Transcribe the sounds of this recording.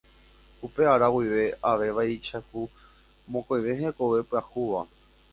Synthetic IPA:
upe̞aɾawiʋe̞aʋe̞ʋait͡ʃahu | mõkojʋe̞ɦeko̞ʋe̞pɨahuʋa

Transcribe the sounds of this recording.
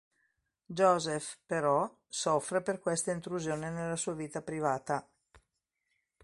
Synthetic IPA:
d͡ʒɔzefpeɾɔ | sɔfːɾeperkwest̪aint̪ɾuzjoːnenelːasuːaviːt̪apɾivaːt̪a

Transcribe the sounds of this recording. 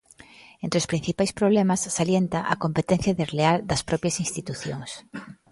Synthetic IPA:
ent̪ɾeospɾin̟θipajspɾoβ̞lemɐsːaljent̪ɐʔɐkompet̪en̟θjɐðezleald̪ɐspɾɔpjɐsinst̪it̪uθjoŋs

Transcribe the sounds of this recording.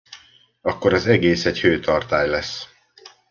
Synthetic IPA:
ɒkːo̞ɾɒzɛɡeːsɛɟhøːt̪ʰɒrt̪aːjlɛsː

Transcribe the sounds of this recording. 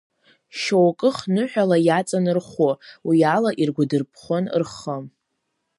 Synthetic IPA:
ʃowkʼɨχnɨħᶣalajat͡sʼanɨrχowialaʔirɡʷadɨrpʰχʷon̰rχəm

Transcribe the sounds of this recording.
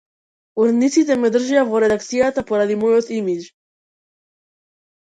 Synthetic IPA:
uɾɛd̪nit̪sit̪ɛmɛd̪r̩ʒijavɔɾɛd̪akt̪sijat̪apɔɾad̪imɔjot̪imid͡ʒ

